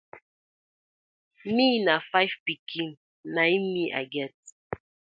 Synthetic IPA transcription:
minafajvpikʰin | naimiʔa̰ɡɛt̚

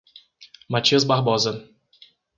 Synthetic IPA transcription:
mat͡ʃiɐzbaɦbɔzɐ

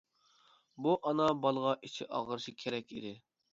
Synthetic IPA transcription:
buʔɑnɑbɑlˠʁɑʔit͡ʃʰiʔɑ̰ʁəɾʃikʲʰeɾɛkʲʰḭd̪ɪ

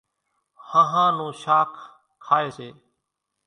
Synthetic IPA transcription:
hãːɦãːnũːʃaːkʰ | kʰːaːeːseː

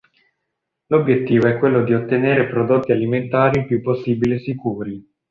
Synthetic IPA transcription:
lobjet̪ːiːvoɛkːwelːod̪iot̪ːeneːɾepɾod̪ot̪ːialiment̪aːɾipjupːosːiːbiliesikuːɾi

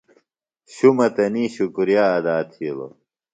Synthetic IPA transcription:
ɕumɐt̪ɐniːɕukuɾijaːɐd̪aːt̪ʰilo̰

